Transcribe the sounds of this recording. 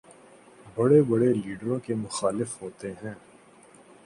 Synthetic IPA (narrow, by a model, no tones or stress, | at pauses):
bɐɽebɐɽeliːɖɾõkemʊxaːlɪfɦoːt̪eɦɛ̃ː